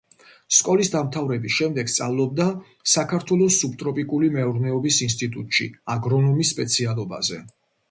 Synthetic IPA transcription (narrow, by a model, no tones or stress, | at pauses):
skʼɔlisd̪amt̪ʰavɾɛbisʃɛmd̪ɛɡst̪sʼa̰vlˠɔb̚d̪a | sakʰaɾt̪ʰwɛlˠɔsːub̚t̪ʼɾɔpʼikʼulimɛuɾnɛɔbisinst̪ʼit̪ʼut̪ʼʃḭaɡɾɔnɔmisːpʼɛt̪sʰialˠɔba̰zɛ